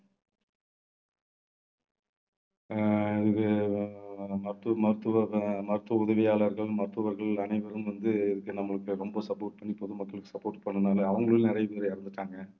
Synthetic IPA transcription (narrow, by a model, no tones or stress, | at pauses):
ɪðɯkːɯ | mɐɾɯt̪ːɯmɐɾɯt̪ːɯʋɐmɐɾɯt̪ːʋɐʊðɐʋɪjaːlɐɾɣɐɭmɐɾɯt̪ːɯʋɐɾɣɐɭɐnɐɪʋɐɾɯmʋɐnd̪ɯɪðɯkːɯnɐmːɐɭɯkːɯɾɔmbɐsɐpoːrʈ̚pɐɳːipɔðɯmɐkːɐɭɯkːɯ̥sɐpːoːɾʈpɐɳːɐnaːlɐːʋɐŋɡɐɭɯlnɪɾɐjɐpeːɾɐɪɪɾɯnd̪ɯʈːaːŋɡɐ